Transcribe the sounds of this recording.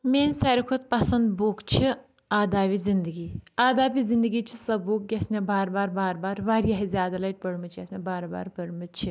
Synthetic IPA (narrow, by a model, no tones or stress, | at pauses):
mʲeːnʲsɐɾikʰot̪̚pɐsɐnd̪boːkt͡ʃʰi | aːd̪aːʋizind̪əɡiːaːd̪aːbizind̪ɨɡiːt͡ʃʰisɐbuːk̚ɡʲesmebaːɾbaːɾbaːɾbaːɾʋaːɾijaːɦizʲjaːd̪alɐʈ̚pɐɽmɨt͡ʃʰiɐsmebaːɾba̰ːɾpəɽmɨt͡ʃʰi